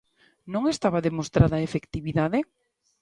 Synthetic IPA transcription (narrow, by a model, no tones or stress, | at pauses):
nõŋest̪aβaðemost̪ɾaðɐaefekt̪iβiðaðe